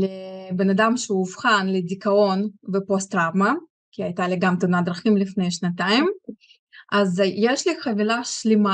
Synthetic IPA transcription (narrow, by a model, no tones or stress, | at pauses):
lebenad̪amʃeuːfχanled̪ʲikaonvepost̪ɾavmɐ | kʲʰiajt̪aliɡamt̪unad̪ɾaχimlifnejʃnat̪ajim | ʔazjeʃliχɐvilaʃlima